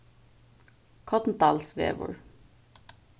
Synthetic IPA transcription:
kʰɔt̪n̩t̪ɑlsʋḛːʋɔ̰ɹ

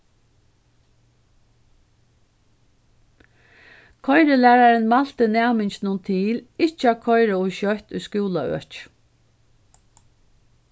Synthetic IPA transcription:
kʰɔjɾəlæːɾaɾənmal̥t̪ənæːmɪɲt͡ʃnʊnt̪ʰiːlɪt͡ʃəakʰɔjɾaʊʃœht̪ʊjskuːlaœ̰ːt͡ʃ

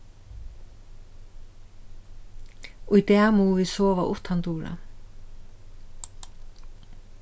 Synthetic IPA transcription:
ʊjt̪ɛamuːvisɔːʋaʔʊht̪hant̪uːɾa̰

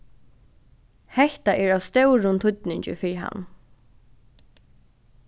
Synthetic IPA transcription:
hɛht̪aʔɛɹawst̪œwɾʊnt̪ʰʊt̪nɪɲt͡ɕɪ̰fɪɹɦa̰nː

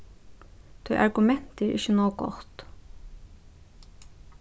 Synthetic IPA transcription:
d̪̥ʰœːʔɑɹɡʉmɛnt̪əɹʔɪ̰çənoːɡɔ̰t̪

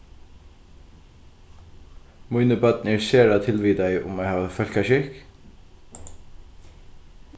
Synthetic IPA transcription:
mujnəbœt̪̚nəɛɹseːɹat̪ʰɪlʋiːd̪aɪʔʊ̰mɛhaːʋafœl̥kaʃɪk

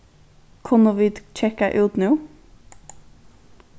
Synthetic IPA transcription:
kʰʊnɔʋid̪t͡ʃʰɛkəʔʉːt̪nuː

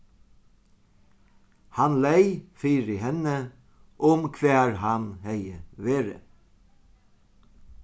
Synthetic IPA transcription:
hanlejfiːɾɪɦɛnːə | ʔʊmkʰʋæːɹɦanhɛjəʋeːɾɪ̰

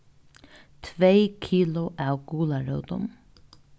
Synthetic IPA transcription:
t̪ʰʋeɪkʰiːlʊʔaːwɡuːlaɹœːʊt̪ʊ̰m

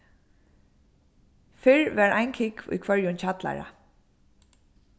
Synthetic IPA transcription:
fɪɹʋɛɹajnkʰɪkṵjkʰvœɹjʊnt͡ɕʰat̪la̰ɹa̰

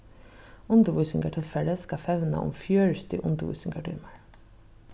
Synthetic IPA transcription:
ʊnt̪əɾʋujsɪŋkaʈʰɪlfɛɹəskafɛʋna̰ʔʊ̰mfjœːɹt̪ɪ̰ʔʊnt̪əʋṵjsɪŋkaʈʰɔːmaɹ

